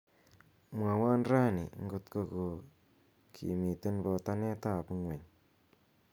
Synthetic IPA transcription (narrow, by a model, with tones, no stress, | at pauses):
mwa˨wa˦nɾa˦nḭ˨ŋɡʊ˨t̪ko˧˨ko˨ | kʰḭ˨mi˨t̪ɪ˦nbɔ˧ta˦ne˦ta˦˨pŋwe˨ɲ